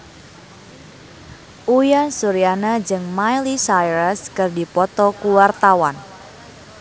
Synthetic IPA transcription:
ʔujansuɾianad͡ʒɨŋmajlisajɾəskɨrdipɔt̪ɔkuwart̪awan

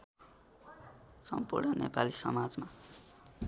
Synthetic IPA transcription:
sʌmpurɳʌnepalisʌ̰mad͡zma

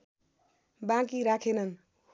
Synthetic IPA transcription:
bãkiɾakʰenən | h

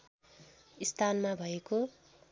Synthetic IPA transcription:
ist̪ʰanmabʱʌeko

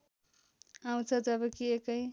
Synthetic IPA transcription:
aw̃t͡sʰʌd͡zʌbʌkiekʌj

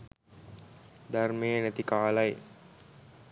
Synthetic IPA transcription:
d̪armejənæt̪ikaːlɐj

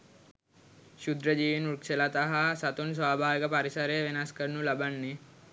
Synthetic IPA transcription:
ʃud̪ɾəd͡ʒiːʋinukselat̪aɦasat̪uns̬ʋaːbʱaːʋikəpaɾisɐɾeʋenaskənulabanːe

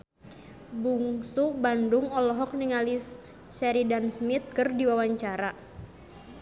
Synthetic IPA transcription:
buŋsubandʊŋɔlɔɦɔk̚niŋalis | sɛɾidansmit̪̚kɨrdiwawaɲt͡ʃaɾa

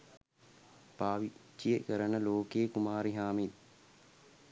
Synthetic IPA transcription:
paːʋit͡ʃːijekəɾənəloːkejekumaːɾiɦaːmit̪̚

